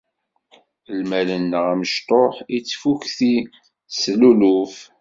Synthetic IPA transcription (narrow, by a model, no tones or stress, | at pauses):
lmælənːəʁæməʃt̪ˤoħit͡sːfukθi | sluluf